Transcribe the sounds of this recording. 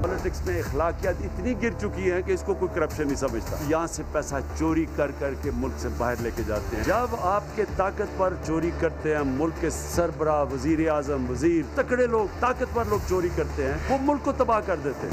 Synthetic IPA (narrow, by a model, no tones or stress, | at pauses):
pɔlɪʈɪksmẽɪxlaːkijət̪ɪt̪niɡɪɾt͡ʃʊkiɦɛ̃keɪskokoːikɐɾəpʃənːɐɦĩsɐməd͡ʒt̪a̰jɐɦãsepɛːsat͡ʃoːɾikɐɾkɐɾkemʊlksebaːɦɪɾleːked͡ʒa̰ːt̪eɦɛ̃d͡ʒɐbaːpket̪aːkət̪pɐɾt͡ʃoːɾikɐɾt̪eɦɛ̃ːmʊlkːe | sɐɾbəɾaːʋɐziːɾeaːzəmʋɐziːɾt̪ɐkɽeloːɡ̚t̪aːkət̪pɐɾloːɡ̚t͡ʃoːɾikɐɾt̪eɦɛ̃ːʋomʊlkːot̪ɐbaːɦkɐɾd̪eːt̪eɦɛ̃